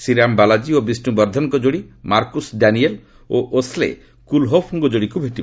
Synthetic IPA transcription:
siɾambalad͡ʒiobisʈubɔɾd̪ʱɔŋkɔd͡ʒoɽimaɾkusɖaniel | oʔoslḛ | kulɦopʰuŋkɔd͡ʒoɽikubʱeʈib

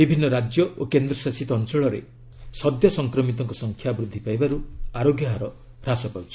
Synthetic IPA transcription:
bibʱinːɔɾad͡ʒjɔokend̪ɾɔsasit̪ɔːnt͡ʃɔɭɔɾḛ | sɔd̪jɔsɔŋkɾɔmit̪ɔŋkɔsɔŋkʰjabɾud̪ʱːipajbaɾuaɾoɡjɔɦaɾɔ | ɾasɔkawt͡ʃʰi̥

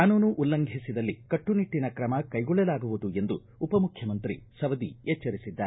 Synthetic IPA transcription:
aːnuːnuʔulːɐŋɡʱisid̪ɐlːikɐʈːuniʈːinɐkɾɐmɐkɐjɡɔɭːɛlaːɡuʋud̪ue̞nd̪u | upɐmukʰjɐmɐnt̪ɾḭsɐʋɐd̪ḭeːt͡ʃːɐɾisid̪ːaːɾ

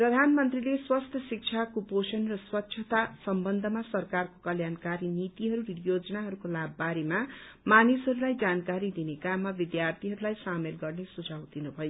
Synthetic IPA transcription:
prʌd̪ʱanmʌnt̪rileswʌst̪ʰʌsik̚t͡ʃʰakuposʌnrʌswʌtːt͡ʃʰʌt̪asʌmbʌnd̪ʱʌmasʌrkarkokʌljankaɾinit̪iɦʌɾunjod͡zʌnaɦʌɾukolabːaɾema | manisɦʌɾulajd͡zankaɾid̪inekamːabid̪jart̪ʰiɦʌɾulajsamelɡʌrnesud͡zʱawd̪inubʱʌjo

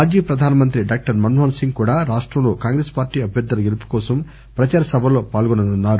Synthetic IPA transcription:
aːd͡ʒiːpɾɐd̪ʱaːnɐmɐnt̪ɾiɖaːk̚ʈɐɾmɐnɦoːnsiŋɡkuːɽaːɾaːʂʈɾɐmlo̞ːkaːŋɡɾeːspaːɾʈːiːɐbʱjɐɾd̪ːɐlɐɡelupu̥kɔːsɐm | pɾɐt͡ʃaːɾɐsɐbʱɐlo̞ːpaːlɡɔnɐnunːaːɾu

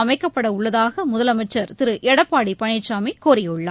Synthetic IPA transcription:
ɐmɐɪkːɐpːɐɽɐʊɭːɐðaːɣɐmʊðɐlɐmɐɪt͡ʃːɐɾt̪ɪɾɯʔɛɽɐpːaːɽipɐɳɪʈt͡ʃaːmikoːɾɪjɯɭːɐ

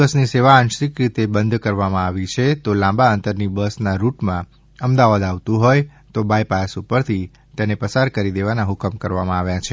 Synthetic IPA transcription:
əsniseʋaənʃikɾit̪ebənd̪ʱkəɾʋamãaʋit͡ʃʰet̪olãbaənt̪əɾnibəsnaɾuʈmã | əmd̪aʋad̪aʋt̪ũɦojt̪obajpasupəɾt̪ʰi | t̪enepəsaɾkəɾid̪eʋanaɦʊkəmkəɾʋamãaʋjãt͡ʃʰe

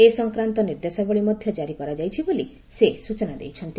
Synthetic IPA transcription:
esɔŋkɾant̪ɔniɾd̪esabɔɭimɔd̪ʱjɔd͡ʒaɾikɔɾad͡ʒajt͡ʃʰiboli | sesut͡ʃɔnad̪ḛjt͡ʃʰɔnt̪

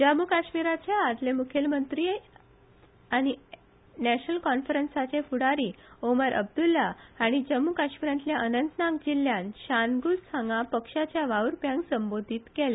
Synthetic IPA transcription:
d͡ʑəmːukaɕmiɾat͡ɕjaːd͡z̪lemukʰelmənt̪ɾi | aɽ̃i | næɕnəlkɔnfɾənsat͡ɕẽfuɽaɾiːoməɾʔə̰b̚d̪ulːaaɽ̃id͡ʑəmːukaɕmiɾãnt̪ljaʔənənt̪nakd͡ʑiljãnɕanɡulsãŋɡapəkʂat͡ɕjaʋaʋɾpjãŋɡsəmbod̪ʱiːt̪kele

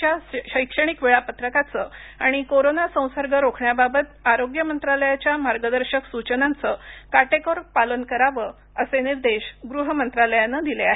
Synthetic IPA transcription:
jaɕəjkʂəɽ̃ikʋeɭapət̪ɾəkat͡səaɽ̃ikoɾonasə̃w̃səɾɡəɾokʰɳjababət̪aɾoɡjəmənt̪ɾaləjat͡ɕjamaɾɡəd̪əɾɕəksut͡ɕənãnt͡səkaʈekɔɾpalənkəɾaʋə | əseniɾd̪eɕɡɾuɦəmənt̪ɾaləjanːəd̪ileaɦe

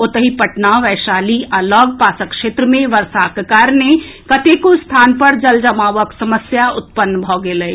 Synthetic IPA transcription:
ot̪əɦipɐʈnaʋɛːʃaːlialɔːɡ̚paːsəkʃeːt̪ɾəmẽʋɐɾsaːkkaɾne | kɐt̪ekost̪ʰaːnpɐɾd͡ʒɐld͡ʒɐmaːʋəksɐməsjaʊt̪̚pənːbʱɔːɡeːləiː

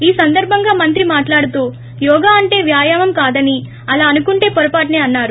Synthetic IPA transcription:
iːsɐnd̪ɐɾbʱɐŋɡaːmɐnt̪ɾimaːʈlaːɽut̪uː | jɔːɡaːɐɳʈe̞ːʋjaːjaːmɐmkaːd̪ɐni | ɐlaːɐnukuɳʈe̞ːpɔɾɐpaːʈ̬ɐneːɐnːaːɾu

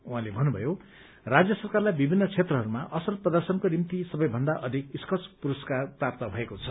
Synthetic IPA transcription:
uɦãlebʱʌnːubʱʌjo | rad͡zjʌsʌrkarlajbibʱinːʌt͡sʰet̪rʌɦʌɾumaʔʌsrʌt̪̚prʌd̪ʌrsʌnkonimt̪isʌbʌjbʱʌnd̪aʔʌd̪ʱikiskʌt͡sʰpuɾuskarprap̚t̪ʌbʱʌekot͡sʰʌ

